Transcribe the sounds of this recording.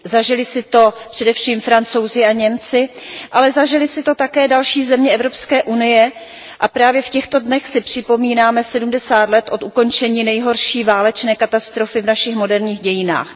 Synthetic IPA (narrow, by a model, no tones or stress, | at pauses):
zaʒɪlɪsɪt̪o̞pr̝̥ɛdɛfʃiːmfɾant͡so̞wzɪaɲɛmt͡sɪʔalɛzaʒɪlɪsɪt̪o̞t̪akɛːdalʃiːzɛmɲɛʔɛvɾo̞pskɛːʔunɪjɛ | ʔapɾaːvjɛfcɛxt̪o̞dnɛxsɪpr̝̥ɪpo̞miːnaːmɛsɛdumdɛsaːt̪lɛt̪ʔot̪uko̞nt͡ʃɛɲiːnɛjɦo̞ɾʃiːvaːlɛt͡ʃnɛːkat̪ast̪ɾo̞fɪvnaʃɪxmo̞dɛɾɲiːxɟɛjɪna̰ːx